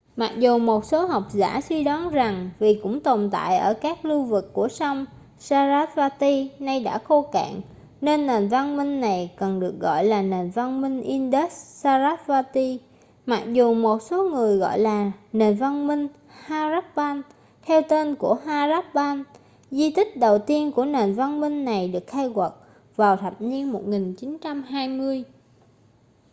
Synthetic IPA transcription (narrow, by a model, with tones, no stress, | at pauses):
ma˨˩k̚zu˨˩mo˨˩t̚so˨˦ɦa˨˩wk͡p̚za̰ː˧˥swi˧ɗɔ˨˦nza˨˩ŋvi˨˩kʊ̰˧˥ŋ͡mt̪o˨˩mt̪a̰ː˧˨jʔəː˧˩kaː˦˥k̚lu˧vɨ˨˩kːu˧˩əsa˧wŋ͡m | saː˧zaː˦˥t̚vaː˧t̪i˧na˧jɗa̰ː˧˥xo˧ka̰ː˧˨ŋ | ne˧nːe˨˩nva˧nmï˧ŋ̟na˨˩jkə˨˩nɗɨ˨˩ək̚ɣɔ̰˧˨jlaː˨˩ne˨˩nva˧nmï˧ŋ̟ʔi˧nɗe˦˥ssaː˧zaː˦˥t̚vaː˧t̪i˧ | ma˨˩k̚zu˨˩mo˨˩t̚so˨˦ŋɨ˨˩əjɣɔ̰˧˨jlaː˨˩ne˨˩nva˧nmï˧ŋ̟ | haː˧za˦˥k̚ɓaː˧n | t̪ʰɛ˧wt̪e˧nku˧˩əɦaː˧za˦˥p̚ɓaː˧n | zi˧t̪ï˦˥k̟̚ɗə˨˩wt̪i˧ənku˧˩əne˨˩nva˧nmï˧ŋ̟na˨˩jɗɨ˨˩ək̚xa˧jɣwə˨˩t̚ | vaː˨˩wt̪ʰa˨˩p̚ɲi˧ənmo˨˩t̚ŋi˨˩ŋt͡ɕi˨˦nt͡ɕa˧mɦaː˧jmɨ˧əj